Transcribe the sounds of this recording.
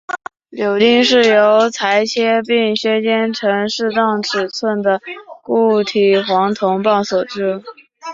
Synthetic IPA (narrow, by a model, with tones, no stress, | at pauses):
ljo˨˩ʊt̪i˥˧ŋʂɻ̩˥˩jo˧˥ʊt͡sʰa˧˥ɪt͡ɕʰjɛ˥pi˥˧ŋɕɥɛ˥t͡ɕjɛ˥nʈ͡ʂʰɤ˧˥ŋʂɻ̩˥˧t̪ɑ˥˩ŋʈ͡ʂʰɻ̩˨˩t͡sʰwə˥˩nd̪ə˩ku˥˩t̪ʰi˨˩xwɑ˧˥ŋt̪ʰʊ˧˥ŋpɑ˥˩ʊswɔ˨˩ʈ͡ʂɻ̩˥˩